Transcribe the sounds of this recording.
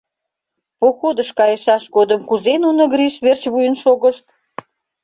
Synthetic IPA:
poxod̪əʃkɑjəʃɑʃɡod̪əmkuzenunoɣɾiʃβert͡ɕβujənʃoɣəʃt̪

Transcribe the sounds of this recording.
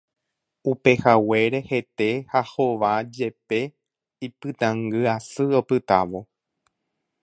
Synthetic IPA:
upe̞hawe̞ɾe̞he̞t̪e̞haho̞ʋad͡ʒe̞pe̞ | ipɨt̪ãŋɡɨasɨopɨt̪a̰ʋo̞

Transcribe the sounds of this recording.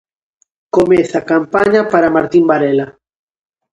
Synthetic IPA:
komeθakampaɲapaɾamaɾt̪imbaɾela

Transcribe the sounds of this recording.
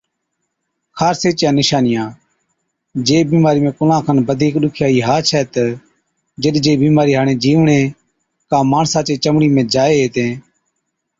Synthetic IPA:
kʰaːɾseːt͡ʃjãːnɪʃaːnɪjãː | d͡ʒeːbiːmaːɾiːmẽːkʊlãːkʰənbəd̪ʱiːkɗʊkʰjaːiːɦaːt͡ʃʰɛːt̪ | d͡ʒəɗd͡ʒeːbiːmaːɾiːɦaːɳẽːd͡ʒiːʋɳẽː | kãːmaːɳsãːt͡ʃeːt͡ʃəmɳiːmẽːd͡ʒaːeːɦeːt̪ẽː

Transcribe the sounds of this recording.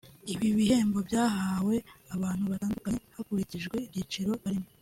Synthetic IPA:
iβiβihe̞ːmbo̞bɟaːɦaːwe̞aβaːn̥huβataːndukaɲehakuɾiciʒɡwe̞ibɟiːt͡ʃiɾo̞βaɾimo

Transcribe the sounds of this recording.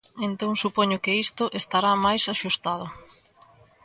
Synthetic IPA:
ent̪oŋsupɔɲʊkɪist̪ʊʔest̪aɾamajsaʃust̪að̞ʊ

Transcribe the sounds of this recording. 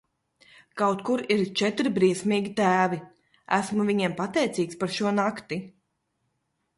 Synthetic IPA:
kawt̪kuɾiɾt͡ʃɛt̪ɾibɾiɛsmiːɡʲit̪æːvi | æ̰smuviɲɛmpat̪ɛjt̪siːkspaɾʃuɔnakt̪i

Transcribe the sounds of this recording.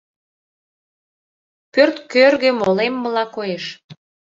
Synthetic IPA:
pørt̪kørɣemolemːəlɑkojeʃ

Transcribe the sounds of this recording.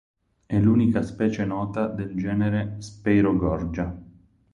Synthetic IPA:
ɛluːnikaspɛːt͡ʃenɔːt̪ad̪eld͡ʒɛːneɾespɛjɾoɡɔrd͡ʒa

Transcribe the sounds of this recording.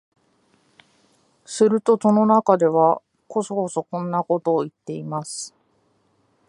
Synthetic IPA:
sɨɾɯ̟t̪o̞so̞no̞nakad̪e̞βa | ko̞soko̞so̞kõ̞nːako̞t̪o̞ːit̪ːe̞imasɨ̥

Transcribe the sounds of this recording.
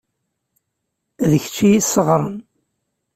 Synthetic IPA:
ðəçt͡ʃːijisəʁɾˤən

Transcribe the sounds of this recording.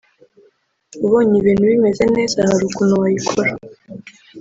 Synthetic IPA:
uβoːɲiβiːn̥huβime̞ze̞ne̞ːzahaɾukunowajikʰoɾa

